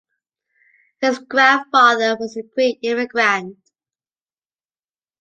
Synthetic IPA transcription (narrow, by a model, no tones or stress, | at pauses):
hɪzɡɹæ̃nfɑðə˞wʌzɨkʰɹ̥itɪ̃ɹɨɡɹæ̃n